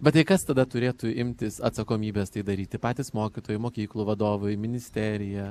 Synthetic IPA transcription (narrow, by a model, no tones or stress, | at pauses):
bʲɛt̪ɐɪkɐst̪ɐd̪ɐt̪ʊɾʲeːt̪ʊɪmʲt̪ʲɪsɐt̪sɐkoːmʲiːbʲeːst̪ɐɪd̪ɐɾʲiːt̪ʲɪpɑːt̪ʲiːsmoːkʲɪt̪oːjʊmoːkʲiːklˠuːʋɐd̪oːʋʊjmʲɪnʲɪsʲt̪ʲɛɾʲɪjɛ